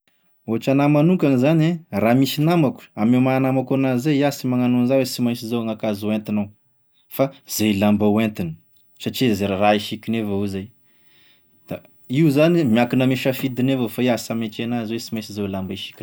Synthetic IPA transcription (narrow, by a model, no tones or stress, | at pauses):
oaʈ͡ʂanamanukanizaneramisinamaku̥amemanamakanazeasimaŋanonzawesimajsizawŋakazuant̪inaw | faz̥elambawent̪inə̥ | saʈ͡ʂizeɾaraiʃikʲinevauzaj | d̪̥a | iuzanimiakinameʃafid̪inevafaiasamet͡ʃenazwesimajsizawlambaiʃi̥kʲin